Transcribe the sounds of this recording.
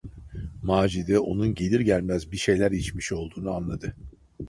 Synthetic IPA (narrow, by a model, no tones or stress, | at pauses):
maːd͡ʒid̪ɛo̞̰nunɟe̞lʲiɾɟælʲmæzbiʃe̞jlʲæɾit͡ʃmiʃo̞lˠd̪uːnuanlˠad̪ɯ